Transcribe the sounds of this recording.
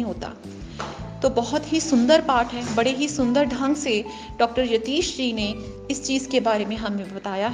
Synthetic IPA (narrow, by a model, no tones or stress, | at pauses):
ĩɦoːt̪a̰ː | t̪oːbɐɦʊt̪ɦisʊ̃nd̪əɾpaːʈɦɛːbɐɽeɦisʊ̃nd̪əɾd̪ʱɐ̃ŋɡse | ɖɔːk̚ʈəɾjɐt̪iːʃd͡ʒiːne | ɪst͡ʃiːzkebaːɾemẽɦɐmẽbɐt̪aːjaɦ